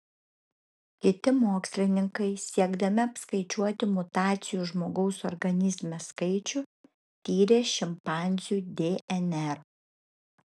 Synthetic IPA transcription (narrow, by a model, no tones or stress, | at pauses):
kʲɪt̪ʲɪmoːksʲlʲɪnʲɪŋkɐɪsʲiɛɡd̪ɐmʲɪɐpskɐɪt͡ʃʲuɔt̪ʲɪmʊt̪ɑːt̪sʲɪjuːʒmoːɡɐʊsɔ̰ɾɡɐnʲɪzʲmʲeskɐɪt͡ʃʲʊ | t̪ʲiːɾʲeːʃʲɪmpɑˑnʲzʲjuːd̪ʲeːʔɛnʲɛɾ